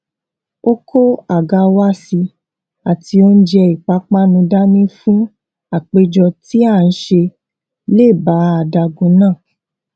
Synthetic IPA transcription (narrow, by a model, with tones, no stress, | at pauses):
o˦kʰo˦a˨ɡa˧wa˦si˧ | a˨ti˧o˦n̩˦d͡ʒɛ˧i˨k͡pa˨˦k͡pa˦nũ˧da˦nĩ˦fũ˦ | a˦˨k͡pe˧˦d͡ʒɔ˧ti˦a˦˨n̩˦ʃe˧ | le˦˨ba˨˦a˧˨da˧ɡũ˧nãː˦˨